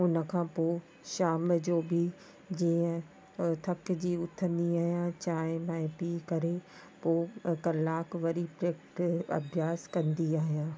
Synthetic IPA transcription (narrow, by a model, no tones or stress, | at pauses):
ʊnə̆kʰãːpoː | ʃaːmd͡ʑoːbɪ | d͡ʑĩːə̃ | t̪ʰɐkd͡ʑiːʊt̪ʰə̃nd̪iaːɦijãt͡ɕaːɪ̃mãɪ̃piːkɐɾe | poːkɐlaːkʋɐɾipɾeːkʈɐ̰bʱjaːskɐ̃nd̪iaːɦijaː